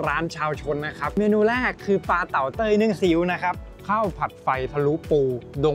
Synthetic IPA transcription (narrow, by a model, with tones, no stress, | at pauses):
ɾaː˦˥nt͡ɕʰaː˧wt͡ɕʰo˧nːa˦˥kʰa˦˥p̚meː˧nuː˧lɛː˥˩kʰːɯː˧paː˧t̪a˨˩wt̪ɤː˥˩jnɯ˥˩əŋsi˩˦wna˦˥kʰa˦˥p̚ | kʰa˥˩wpʰa˨˩t̪̚fa˧jt̪ʰa˧lu˦˥puː˧do˧